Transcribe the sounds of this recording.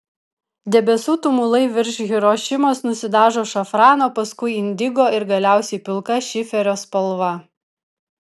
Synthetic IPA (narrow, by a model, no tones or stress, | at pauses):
d̪ʲɛbʲɛsuːt̪ʊmʊlˠɐɪʋʲɪɾʲʃʲɣʲɪɾoːʃʲɪmosnʊsʲɪd̪ɑːʒoːʃɐfɾɑːnoːpɐskʊɪɪnʲd̪ʲɪɡoːɪɾɡɐlʲæˑʊsʲɛɪpʲɪlˠkɐʃʲɪfʲɛɾʲoːspɐlˠʋɐ